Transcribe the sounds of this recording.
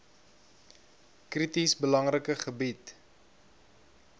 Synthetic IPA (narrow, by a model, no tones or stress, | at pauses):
kritisbəlɐŋrəkəχəbit